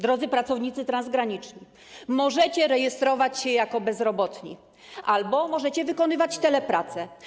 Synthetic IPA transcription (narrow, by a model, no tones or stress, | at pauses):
d̪ɾɔd̪zɘpɾat̪sɔvɲit̪sɘt̪ɾanzɡɾaɲit͡ʂɲi | mɔʐɛt͡ɕɛɾɛjɛst̪ɾɔvat͡ɕɕɛjakɔbɛzɾɔbɔt̪ɲḭ | ʔalbɔmɔʐɛt͡ɕɛvɘkɔnɘvat͡ɕt̪ɛlɛpɾat̪sɛ